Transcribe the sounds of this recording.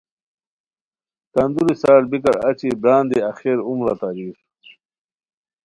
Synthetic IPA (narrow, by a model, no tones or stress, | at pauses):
kɐnd̪uɾisaːʈbikɐɾɐ̰t͡ɕibɾaːnd̪iɐxeːɾumlaːt̪aːɾiːx